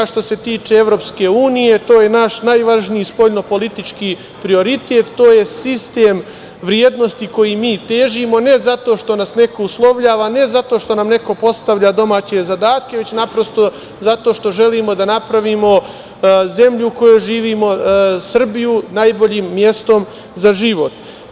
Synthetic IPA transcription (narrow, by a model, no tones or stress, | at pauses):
ʃt̪o̞se̞t̪iːt͡ʃeeʋɾopske̞ːuːnije̞t̪o̞ːjenaʃnajʋaʒniispo̞ʎno̞po̞lit̪it͡ʃki | pɾio̞ɾit̪e̞t̪ːoːje̞sist̪eːm | ʋɾjeːd̪no̞st̪iko̞jimiːt̪eːʒimo̞ne̞zat̪oʃt̪o̞nasne̞ko̞uslˠo̞ʋʎaːʋane̞zat̪o̞ːʃt̪o̞namne̞ko̞po̞st̪aʋʎad̪o̞maːt͡ɕe̞zad̪aːt̪ke̞ʋe̞t͡ɕnapɾost̪o̞ | zat̪o̞ʃt̪o̞ʒe̞liːmo̞d̪anapɾaʋiːmo̞ | ze̞mʎuko̞jojʒiːʋiːmo̞sr̩bijunaːjbo̞ʎiːmːje̞st̪o̞m | zaʒiʋo̞t̪